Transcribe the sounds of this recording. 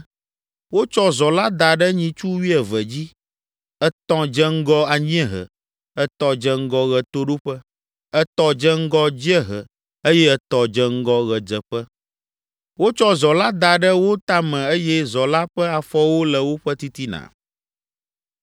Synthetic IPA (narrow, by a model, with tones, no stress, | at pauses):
wo˦t͡ʃɔ˦zɔ˨la˦d̪a˨ɖə˦ɲĩ˨t͡ʃu˦wi˦ɛ˨vɛ˨d͡ʑi˦ | ɛ˨t̪ɔ̃˨d͡ʒɛ˦ŋ̩˦ɡɔ˦a˨ɲĩ˦ɛ˦ɦə̰˨ | ɛ˨t̪ɔ̃˨d͡ʒɛ˦ŋ̩˦ɡɔ˦ɣɛ˨t̪o˦ɖo˦ɸə˦ | ə˦t̪ɔ˨d͡ʒɛ˦ŋ̩˦ɡɔ˦d͡ʑi˦ɛ˦ɦə˨ | e˦jɛ˦ɛ˨t̪ɔ˨d͡ʒɛ˦ŋ̩˦ɡɔ˦ɣɛ˨d͡ʒɛ˨ɸɛ˦ | wo˦t͡ʃɔ˦zɔ˨la˦d̪a˨ɖə˦wo˦t̪a˦mɛ̃˨ə˦jɛ˦zɔ˨la˦ɸɛ˦a˨fɔ˦wo˦lɛ˨wo˦ɸɛ˦t̪i˦t̪i˦nã̰˨